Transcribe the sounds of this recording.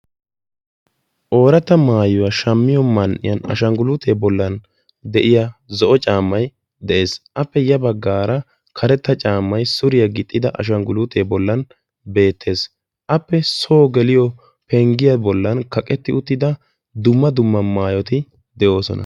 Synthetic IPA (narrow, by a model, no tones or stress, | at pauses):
ʔo̞ːɾɐt̪ːɐmaːjʊwɐʃɐmːɪjɔmɐnʔɪ̰jɐnɐ̰ʃɐŋɡʊlut̪ʰeːbɔlːɐn | d̪ɛʔɪjazɔʔɔt͡ʃʼaːmːɐj | d̪ɛʔe̞ːsʔɐpːɛjɐbɐɡːaːɾɐ | kʰɐɾɛt̪ːɐt͡ʃʼaːmːɐjsʊɾɪjɐɡɪt̪ʼːɪd̪ɐʔɐ̰ʃ̬ɐŋɡʊlʊt̪ʰeːbɔlːɐn | be̞ːt̪ʰːe̞ːs | ʔɐpːɛso̞ːɡɛlɪjɔ | pɛŋɡɪjɐbɔlːɐnkɐkʼɛt̪ːɪʊt̪ːɪd̪ɐ | d̪ʊmːɐd̪ʊmːɐmaːjɔt̪ɪ | d̪ɛʔo̞ːsɔ̰nɐ̰